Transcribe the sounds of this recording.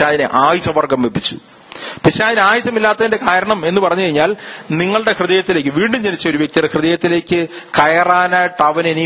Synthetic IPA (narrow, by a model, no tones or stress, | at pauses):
aːðineʔaːjut̪ːɐʋɐrɡɐmʋepːit͡ɕːu̥̰ | piɕaːðinaːjɐt̪ːɐmilːaːt̪ːɐðinde̞kaːɾɐɳɐme̞nːupɐrɐɲːukɐɻiɲːaːlniŋːɐɭɽe̞krɨðɐjɐt̪ːile̞ːk̬ːɨʋiːɳɖumd͡ʑenit͡ɕːɐoɾuʋjek̪̚irekrɨðɐjɐt̪ːile̞ːkʲːɨkɐjɐraːnaːjʈːɐʋɐneni